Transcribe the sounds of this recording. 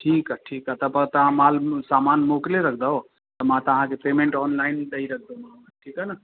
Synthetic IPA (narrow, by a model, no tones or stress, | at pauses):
ʈʰiːkaʈʰiːkɦat̪əbət̪əɦãmalsamanmokleɾəkʰd̪əɦo | t̪əmãt̪ɐɦãkepemẽɳʈɔːnlaɪnɖ̪əiɾək̚ʰd̪oma | ʈʰiːkɦənə